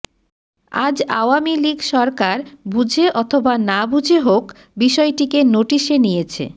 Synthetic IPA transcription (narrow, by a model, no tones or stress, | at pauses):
a̰d͡ʑa̰oamiliɡʃɔɾkaɾbud͡ʑʱeʔɔt̪ʰobanabud͡ʑʱeɦok | biʃɔeʈikenoʈiʃenijet͡ɕʰḛ